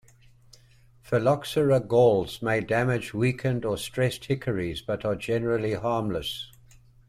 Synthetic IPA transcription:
fəlɑksəɹəɡɔʊlˠz̥meɪdæmɪd͡ʒwiˑkʰə̃ndəstɹ̥ɛst̚hɪkʰəɹizbʌɾəd͡ʒɛnəɹəlˠiɦɑːmləs

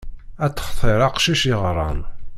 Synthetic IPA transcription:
æt͡sːə̥χθˤeɾˤɑqʃiʃiʁɾˤɑ̰n

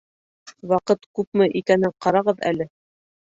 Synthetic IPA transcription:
wɑqɤt̪kʉp̚mɘʔikænɘɴqɑɾɑʁɤðæ̰lɘ

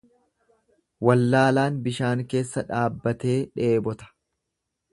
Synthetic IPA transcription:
wɐlːaːlaːnbɪʃaːŋke̞ːsːɐᶑaːbːɐt̪e̞ːᶑe̞ːbɔt̪ɐ̥

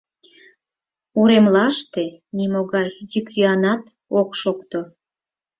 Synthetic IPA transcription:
uɾemlɑʃt̪enimoɣɑjːykjøɑnɑt̪ | okʃokt̪o

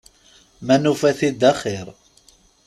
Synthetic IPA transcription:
mænufæθid̪ːæχɪɾˤ

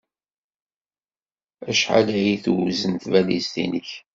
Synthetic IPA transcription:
æʃħa̰læjiθwzənθvælḭzt̪ḭnəç

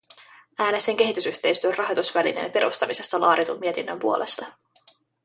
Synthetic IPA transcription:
æːnese̞ŋk̟e̞ɦit̪ysyht̪ejst̪yørrɑɦot̪usʋælḭnḛnpe̞ɾʔṵst̪ɑmise̞st̪ɑlɑːɾit̪umːie̞t̪inːømpuo̞lʔe̞st̪ɑ

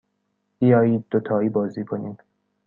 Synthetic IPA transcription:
b̥ijɒːjiːd̪̚ːot̪ʰɒːiːbɒːziːkʰoniːd̪̥

